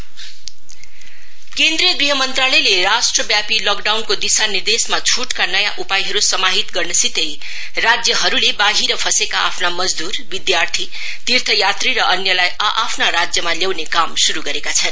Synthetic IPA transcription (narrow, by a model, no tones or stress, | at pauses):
kend̪ɾijʌɡɾiɦʌmʌnt̪ralʌjleɾasʈrʌbjapilɔkɖawnkod̪isanird̪esmat͡sʰuʈkanʌjaʔupajɦʌɾusʌmaɦit̪ɡʌrnʌsit̪ej | rad͡zjʌɦʌɾulebaɦiɾʌpʰʌsekaapʰnamʌd͡zd̪urbid̪jart̪ʰi | t̪irt̪ʰʌjat̪riɾʌʔʌnjʌlajʌʔapʰnaɾad͡zjʌmaljawnekamsuɾuɡʌɾekat͡sʰʌn